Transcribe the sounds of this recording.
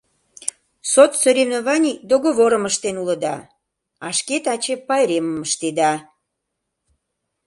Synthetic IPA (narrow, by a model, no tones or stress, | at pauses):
sot̪soɾʲevnovɑnʲid̪oɣoβoɾəməʃt̪enuləd̪ɑ | ɑʃket̪ɑt͡ɕepɑjɾeməməʃt̪ed̪ɑ